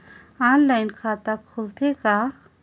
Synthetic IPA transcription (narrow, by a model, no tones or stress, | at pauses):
anlaɪnkʰat̪akʰult̪ʰeka